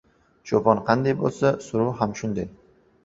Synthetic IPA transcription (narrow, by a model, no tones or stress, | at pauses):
ʃopɒnqʰɑnd̪ajbolˠsasʊɾʊwhamʃʊnd̪aj